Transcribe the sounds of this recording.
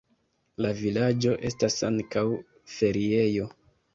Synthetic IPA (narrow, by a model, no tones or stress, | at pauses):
lavilad͡ʒo̞ʔe̞stasa̰ŋkaw | fe̞ɾie̞jo̞